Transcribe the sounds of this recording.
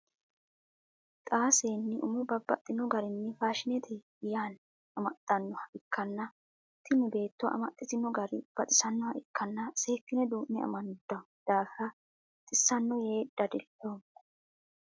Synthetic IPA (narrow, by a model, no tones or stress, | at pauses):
t̪ʼaːseːnːɪʔʊmʊbɐbːɐ̰t̪ʼːɪnɔɡɐɾɪnːɪfaːʃɪnɛt̪ʰɪ | jaːn | ɐmɐt̪ʼːɐnːɔhɐʔɪkːɐnːɐ | t̪ʰːɪnːɪbe̞ːt̪ːɔʔɐ̰mɐt̪ʼːɪt̪ɪnɔɡɐɾɪ̰b̥ɐt̪ʼɪ̥sɐnːɔhɐʔɪkːɐnːɐse̞ːkːɪnɛd̪uːʔnɛɐ̰mɐnʊd̪̥ːɐ | d̪̥aːfɾɐ | t̪ʼɪsːɐnːɔje̞ːd̪ɐd̪ɪloː